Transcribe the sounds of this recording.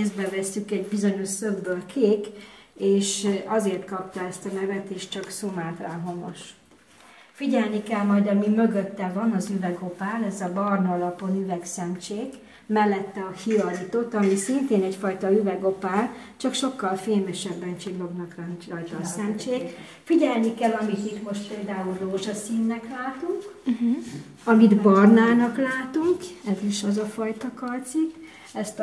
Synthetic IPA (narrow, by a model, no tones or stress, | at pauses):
ezd̪bɛvɛsːykɛɟbizo̞ɲo̞ʃsøbːølkʰeːkeːʃɒzeːrt̪kɒpt̪ɒɛst̪ɒnɛvɛt̪eːʃt͡ʃɒksomaːt̪raːɦo̞mo̰ʃ | fiɟɛlnikɛlmɒjd̪ɒmimø̞ɡøt̪ːɛvɒnɒzyvɛɡo̞paːlɛzɒbɒrnɒlɒpo̞nyvɛksɛmt͡ʃeːk | mɛlːɛt̪ːɛɒhiɒlut̪o̞t̪ɒmisint̪eːnɛcfɒjt̪ɒyvɛɡo̞paːlt͡ʃɒkʃo̞kːɒlfeːmɛʃɛbːɛnt͡ʃilːo̞ɡnɒkrɒnt͡ʃɒjt̪ɒsɛmt͡ʃeːk | fiɟɛlnikɛlːɒmit̪it̪mo̞ʃt̪̚peːld̪aːulroːʒɒsiːnːɛklaːt̪uŋk | ɒmid̪bɒrnaːnɒklaːt̪uŋkɛziʃɒzɒfɒjt̪ɒkɒrt̪sik | ɛst̪